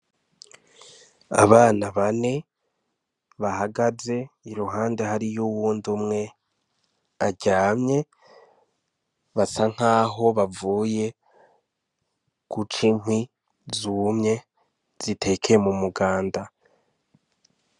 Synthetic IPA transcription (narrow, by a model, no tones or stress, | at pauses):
a̰βaːnaβane̞ | βahaɡaze̞iɾuɦaːnde̞haɾijuwuːndumŋe̞ | aɟaːmɲe̞ | βasaŋ̥haːɦo̞βavuːje̞ | kut͡ʃim̥hwi | zumɲe̞ | z̥itʰe̞kʰeemumuɡaːnda